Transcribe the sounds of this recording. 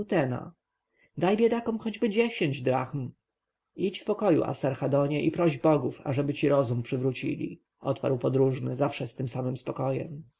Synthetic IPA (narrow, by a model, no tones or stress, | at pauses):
t̪ɛna̰ | d̪ajbʲjed̪akɔ̃mxɔd͡ʑbɘd͡ʑeɕeɲd͡ʑd̪ɾaxm | it͡ɕfpɔkɔjṵʔa̰saɾxad̪ɔɲɛʔipɾɔʑbɔɡufa̰ʐɛbɘt͡ɕiɾɔzumpʂɘvɾut͡ɕḭlʲḭ | ɔt̪pa̰ɾwpɔd̪ɾuʐnɘ̰zafʂɛst̪ɘmsamɘmspɔkɔjɛ̰m